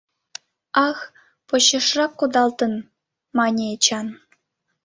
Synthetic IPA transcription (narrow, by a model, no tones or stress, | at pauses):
ɑx | pɤ̆ɕɤ̆ʂrɑkːud̪ɑlˠt̪ɤ̆n | mɑnʲet͡ɕɑn